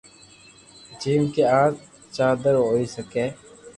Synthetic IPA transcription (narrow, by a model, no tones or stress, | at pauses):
d͡ʒiːmkeːãː | t͡ʃaːd̪əɾɦoːiːsəkẽː